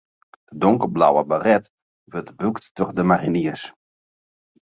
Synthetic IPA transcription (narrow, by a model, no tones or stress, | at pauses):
d̥ədɔŋkərbla̰wəbarɛt | ʋətbuktːɔχdəmariniəs